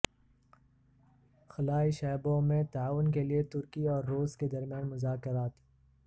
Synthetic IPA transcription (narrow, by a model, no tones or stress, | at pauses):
xɐlaːiʃɛːbõmẽt̪aaːʋʊnkeliet̪ʊɾkiɔːɾːoːzked̪ɐɾmjaːnmʊzaːkɪɾaːt̪